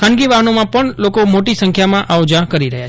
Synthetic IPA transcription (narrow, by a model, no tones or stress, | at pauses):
kʰãnɡiʋaɦənomãpəɳlokomoʈisəŋkʰjamãʔaod͡ʒakəɾiɾəɦja